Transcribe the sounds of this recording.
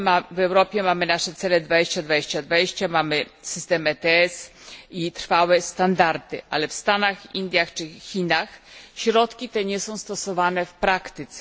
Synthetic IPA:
mavɛwɾɔpʲjɛmamɘnaʂɛt̪sɛlɛd̪vad͡ʑeɕt͡ɕad̪vad͡ʑeɕt͡ɕad̪vad͡ʑeɕt͡ɕamamɘsɘst̪ɛmɛt̪ɛɛsit̪ɾ̥fawɛst̪and̪aɾt̪ɘ̰ʔa̰lɛfst̪anaxind̪ʲjaxt͡ʂɘxʲinaxɕɾɔt̪kʲit̪ɛɲɛsɔ̃w̃st̪ɔsɔvanɛfpɾakt̪ɪt̪sɛ

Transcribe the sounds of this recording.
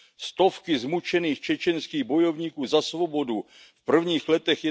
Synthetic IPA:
st̪o̞fkɪzmut͡ʃɛniːxt͡ʃɛt͡ʃɛnskiːɣbo̞jo̞vɲiːkuːzasvo̞bo̞du | fpr̩vɲiːxlɛt̪ɛxjɛ

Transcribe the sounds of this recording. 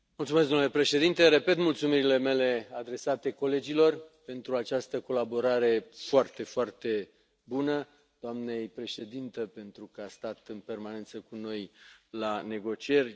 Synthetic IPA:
mult̪sumes̬ɡd̪omnule̞pɾe̞ʃe̞d̪int̪e̞ɾepe̞t̪mult̪sumiɾile̞me̞le̞ad̪ɾe̞sat̪e̞ko̞le̞d͡ʒilo̞rpe̞nt̪ɾuat͡ʃast̪əko̞labo̞ɾaɾe̞foart̪e̞foart̪e̞ | bunə | d̪̥oamne̞jpɾe̞ʃe̞d̪int̪əpe̞nt̪ɾukəast̪at̪ɨnpe̞rmane̞nt̪səkuno̞jlane̞ɡo̞t͡ʃie̞rʲ

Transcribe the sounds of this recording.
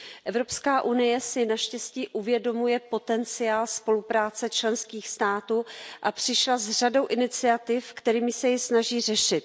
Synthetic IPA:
ʔɛvɾo̞pskaːʔunɪjɛsɪnaʃcɛsciːʔuvjɛdo̞mujɛpo̞t̪ɛnt͡sɪaːlspo̞lupɾaːt͡sɛt͡ʃlɛnskiːxst̪aːt̪uːʔapr̝̥ɪʃlazr̝ado̞wʔɪnɪt͡sɪat̪ɪfkt̪ɛɾiːmɪsɛjɪsnaʒiːrɛʃɪt̪̚

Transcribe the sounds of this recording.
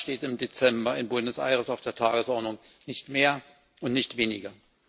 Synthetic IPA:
ʃteːtɪmdet͡sɛmbɐɪnbʊndəsʔa̰ɪʁəsaʊfd̥eːɐtʰaːɡəsʔɔɐdnʊŋ | nɪçtmeːɐ | ʊntnɪçtv̥eːnɪ̰ɡɐ

